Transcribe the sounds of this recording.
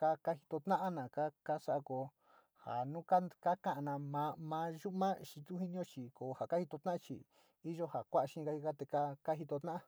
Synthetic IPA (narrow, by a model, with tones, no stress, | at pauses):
ka˦ka˦hi̥˧t̪o˧t̪ã˦ʔa˦nã˨ka˦ka˦sa˦ʔa˧ko˧ | ha̰˨nũ˦ka˦ka˦kã˧ʔa˧nã˧mã˧˦mã˧˦ʒu˦ʔmã˦ʃi˧t̪u˦hi˦nĩ˦õ˦t͡ʃi˨ko˨ha˨ka˦hi˧t̪o˧t̪ã˦ʔa˦t͡ʃḭ˧ | i˦ʒo˦ha˨kʷa˦ʔa˧ʃĩ˦˧ɡa˧i˧ɡa˦t̪e˧ka˦ka˦ɦi˧t̪o˧t̪ã˦ʔa˦